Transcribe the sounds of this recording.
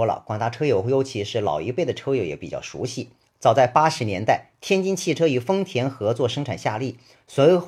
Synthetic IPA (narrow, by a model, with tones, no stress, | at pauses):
lə̰˨˩kwa̰˨˩ŋt̪a˥˩ʈ͡ʂʰɤ˥jo˧˩ʊjo˥ʊt͡ɕʰi˧˥ʂɻ̩˥˩lɑ̰˨˩ʊḭ˧˥pe˥˩ɪd̪ə˩ʈ͡ʂʰɤ˥jo˧˩jɛ̰˧˥pi˨˩t͡ɕjɑ̰˥˩ʊʂṵ˧˥ɕi˥˩ | t͡sɑ˨˩ʊt͡sa˥˩ɪpa˥ʂɻ̩˧˥njɛ˧˥nt̪a˥˩ɪt̪ʰjɛ˥nt͡ɕi˥nt͡ɕʰi˥˩ʈ͡ʂʰɤ˥y˨˩fɤ˥ŋt̪ʰjɛ˧˥nxɤ˧˥t͡swɔ˥˩ʂɤ˥ŋʈ͡ʂʰa˨˩nɕja̰˥˧li˥˩ | swɔ˧˥